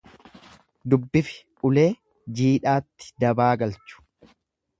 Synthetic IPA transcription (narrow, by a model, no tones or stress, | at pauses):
d̪ʊbːɪfɪ̥ | ʔʊle̞ː | d͡ʒiːᶑaːt̪ːɪ̥d̪ɐbaːɡɐlt͡ʃʊ̥